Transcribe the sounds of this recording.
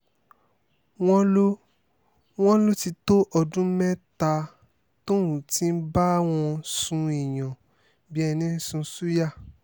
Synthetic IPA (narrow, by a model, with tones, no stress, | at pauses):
w̃ɔ̃˦lo˦ | w̃ɔ̃˦lo˦ti˧to˦ʔɔ˧dũ˦mɛ̃˦ta˧ | to˦wũ˨ti˦n̩˦ba˦w̃ɔ̃˧sũ˧i˨j̃ɔ̃˨ | bi˨˦ɛ˧nĩ˦sũ˧˦su˦ja˦˨